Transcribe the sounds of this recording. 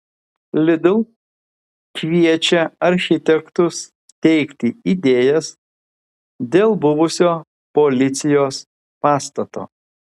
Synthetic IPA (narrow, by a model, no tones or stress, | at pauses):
lʲɪd̪ʲʊlˠ | kʲʋʲiɛt͡ʃʲɛɐɾʲxʲɪt̪ʲɛkt̪ʊs | t̪ʲɛɪkʲt̪ʲɪid̪ʲeːjɛs | d̪ʲeːlˠbʊʋʊsʲoː | polʲɪt̪sʲɪjoːs | pɑːst̪ɐt̪o̰ː